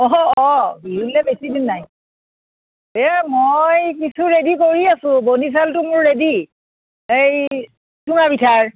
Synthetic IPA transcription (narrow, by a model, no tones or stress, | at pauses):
ɔɔbiɦulɛbesidinːaj | ɛmojkisuɹedikoɹiasʊ̃bonis̬altʊmʊɹːedi | ej | tʰunabitʰaɹ